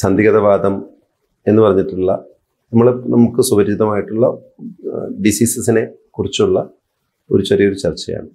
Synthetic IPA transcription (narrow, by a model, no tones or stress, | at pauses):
sɐnd̪ʱiɣɐðɐʋaːd̪ɐm | e̞nːɨpɐrɐɲːiʈːiɭːɐ̰ | nɐmːɐɭnɐmukːɨsubɐɾd͡ʑid̪ɐmaːjiʈːuɭːɐ | ɖisiːsɐsine̞kurit͡ɕːuɭːɐ | o̞̰ɾut͡ɕɐrijo̞ɾut͡ɕɐrt͡ɕːɐja̰ːɳɨ